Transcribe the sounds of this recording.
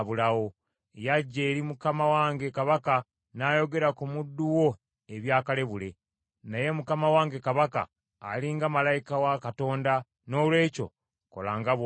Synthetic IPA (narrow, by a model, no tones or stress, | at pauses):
βulawo̞ | jaɟːe̞ːɾimukamawaːŋɡe̞kaβaka | najo̞ɡe̞ɾakumudːuwo̞ | eβjaːkale̞βule̞ | naje̞mukamawaːŋɡe̞kaβaka̰ː | liŋɡamalajikawakato̞ːnda | no̞ːlwe̞ːco̞̰ | ko̞̰laːŋɡaβ